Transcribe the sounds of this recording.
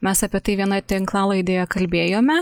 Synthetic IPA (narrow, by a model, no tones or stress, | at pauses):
mʲɛsɑːpʲiɛt̪ɐɪʋʲiɛnɐt̪ʲɪŋklˠɑːlˠɐɪd̪ʲeːjɛkɐlʲbʲeːjoːmʲɛ